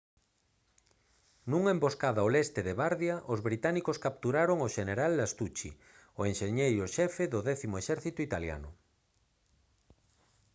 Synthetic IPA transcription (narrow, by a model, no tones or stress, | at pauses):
nuŋaemboskaðaolɛst̪eðeβaɾðjaʔozβɾit̪anikoskap̚t̪uɾaɾoŋoʃeneɾald̪ast̪ut͡ʃḭ | oenʃeɲejoʃɛfeðʊðɛθimoeʃɛɾθit̪ʊit̪alja̰nʊ̰